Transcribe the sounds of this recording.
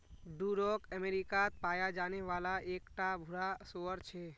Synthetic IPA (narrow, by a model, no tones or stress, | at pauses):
ɖuɾokəmeɾikat̪̚paːjad͡ʒaːneʋaːlaʔeːkʈabʱʊɾasoəɾt͡ʃʰe